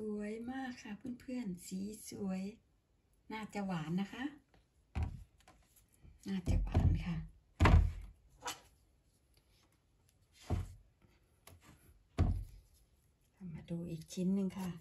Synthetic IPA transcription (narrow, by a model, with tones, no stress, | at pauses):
su˨˩˦əjmaː˥˩kʰːa˧˩pʰɯ˧˥˨npʰɯ˧˨ənsiː˨˦su˨˦ə˦j | naː˧˩t͡ɕa˧waː˨˦nːa˧˩kʰa˦˥˨ʔ | naː˧˩t͡ɕa˧wa̰ː˨˩˦nkʰa˧˩ | kʰa˧˩maː˧duː˧ʔiː˨˩k̚t͡ɕʰi˧˥nːɯ˧ŋkʰa˧˥˩